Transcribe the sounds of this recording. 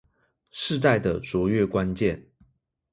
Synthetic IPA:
ʂɻ̩˥˧t̪a˥˩ɪd̪ə˩t͡swɔ˨˧˥ɥɛ˦kwa˦nt͡ɕjɛ˥˨n

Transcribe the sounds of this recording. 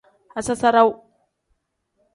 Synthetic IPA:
a˨sa˦sa˦ɾa˦w

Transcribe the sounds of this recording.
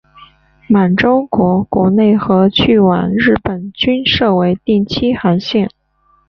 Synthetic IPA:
ma˨˩nʈ͡ʂo˥ʊkwɔ˧˥kwɔ˧˥ne˥˩ɪxɤ˧˥t͡ɕʰy˥˩wa̰˨˩nɻɻ̩˥˩pə˨˩nt͡ɕy˥nʂɤ˥˧we˧˥ɪt̪i˥˩ŋt͡ɕʰi˥xa˧˥nɕjɛ˥˩n

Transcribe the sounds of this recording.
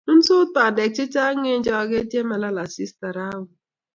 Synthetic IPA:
n̩˦sʊ˦ta˨de˨k̚t͡ʃɪ˦t͡ʃa˦ŋe˦n̩˦d͡ʒɔ˦˨ɡe˦tje˦ma˨la˦la˨si˦sta˨ɾa˦wʊ˨

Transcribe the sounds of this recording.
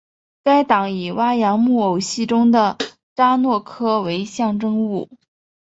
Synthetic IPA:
ka˥ɪt̪ɑ˨˩ŋi˨˩wa˥jɑ˧˥ŋmu˥˩o˨˩ʊɕi˥˩ʈ͡ʂʊ˥ŋd̪ə˨ | ʈ͡ʂa˥nwɔ˥˩kʰɤ˥we˧˥ɪɕjɑ˥˩ŋʈ͡ʂɤ˥ŋu˥˩

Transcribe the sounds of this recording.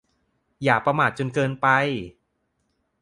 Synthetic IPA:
jaː˨˩k̚pɾa˧maː˨˩t̪̚t͡ɕo˧nkɤː˧npa˧j

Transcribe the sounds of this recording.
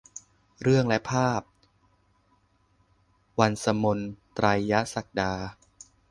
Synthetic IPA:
ɾɯ˥˩əŋlɛ˦˥ʔpʰaː˥˩p̚ | wa˧nsa˧mo˧nt̪ɾa˧jːa˦˥sa˨˩k̚daː˧

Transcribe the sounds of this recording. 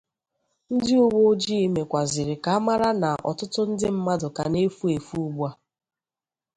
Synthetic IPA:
n̩˦dɪ˦ʊ˦wo˦d͡ʒi˦i˦me˨kʷa˨zɪ˨ɾɪ˨ka˨a˦ma˦ɾa˦na˨ʔɔ̰˨tʊ˦tʊ˦n̩˦dɪ˦m̩˦ma˦dʊ˨ka˨ne˦fu˦e˨fu˦u˦ba˦

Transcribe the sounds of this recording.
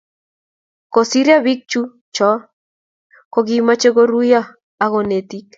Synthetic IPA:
ko˨si˦ɾja˦βi˦k̚t͡ʃu˦ | t͡ʃɔ˦ | ko˨ɣima˦t͡ʃe˦ɣo˦ɾuja˦ | a˨ɣo˨ne˨t̪ik

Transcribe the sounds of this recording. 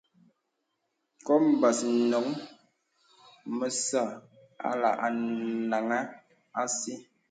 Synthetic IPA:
kɔ˦m̩˨ba˨snɔ˨˦ŋ | mə˨sa˦˨ | a̰˨la̰˨ʔa˨na˨ŋa˦ | a˦si˦

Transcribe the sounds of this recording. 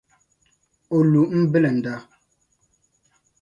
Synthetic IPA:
o˨lu˨m̩˦be˦lɛ˨n̩˨da˦

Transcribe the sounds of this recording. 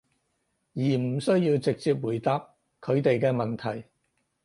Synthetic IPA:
jiː˨˩m̩˨˩sɵ˥ɥjiː˧wt͡sɪ˨k̚t͡siː˧p̚wuː˨˩jt̪aː˨p̚ | kʰɵ˨˧ɥt̪e˨jkɛː˧mɐ˨nt̪ʰɐ˨˩j

